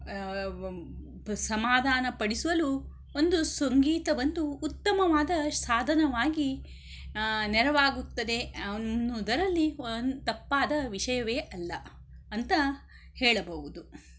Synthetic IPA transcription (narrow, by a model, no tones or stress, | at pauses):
sɐmaːd̪ʱaːnɐpɐɽisuʋɐlu | ond̪usɐŋɡiːt̪ɐʋɐnd̪uːt̪ːɐmɐʋaːd̪ɐsaːd̪ʱɐnɐʋaːɡi | nɛɾɐʋaːɡut̪ːɐd̪e̞ɐnːud̪ɐɾɐlːit̪ɐpːaːd̪ɐʋiʂɐjɐʋeːʔɐlːɐ | ɐnt̪ɐ | hɛːɭɐbɐɦud̪u